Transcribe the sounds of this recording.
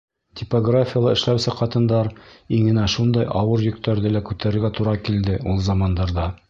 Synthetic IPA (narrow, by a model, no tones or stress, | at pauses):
t̪ʲɪpoɡrafʲɪjəlˠɑɘ̆ʃlæwsɘqɑt̪ɤ̆nd̪ɑɾiŋɘ̆næʃund̪ɑjɑwɤɾjɵ̆k̚t̪æɾðɘlækʉt̪æɾɘ̆ɾɡæt̪uɾɑkild̪ɘulˠzɑmɑnd̪ɑɾd̪ɑ